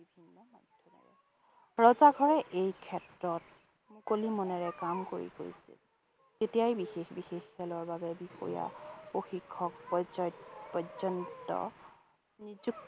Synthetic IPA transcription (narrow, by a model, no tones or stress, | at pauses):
bibʱinːɔmɔdʱjɔna̰ɹɛ̰ | ɹɔzaɡʱɔɹɛʔejkʰɛtɹɔt̚ | mʊkolimɔnɛɹɛkamko̰ɹḭko̰jsḭl | tetijajbixexbixexːɛlɔɹbabɛbixɔ̰ɹja̰oxikʰːɔk̚pɔzɔjpɔzɔntɔ̰ | nizuk̚